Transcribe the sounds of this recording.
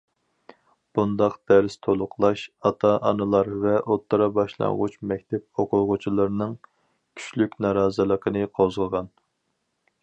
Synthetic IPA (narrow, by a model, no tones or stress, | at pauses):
b̥und̪ɑqd̪̥æɾst̪ʰolˠʊqʰlˠɑʃɑt̪ʰɑʔɑnɨlˠɑɾvɛʔot̪ʰːɨɾɑbɑʃlˠɑ̰ŋʁut͡ʃmɛkʲt̪ʰɛp̚oqʰʊʁʊt͡ʃʰilˠɨɾnɨŋ | kʲʰy̥ʃlykʲnɑɾɑːzɨlˠəqʰənɨqʰozʁəʁɑn